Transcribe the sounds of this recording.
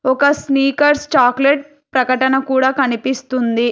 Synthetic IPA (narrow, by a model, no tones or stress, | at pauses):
ɔkɐsniːkɐɾst͡ʃaːkleʈ̚ | pɾɐkɐʈɐnɐkuːɽaːkɐnipist̪und̪i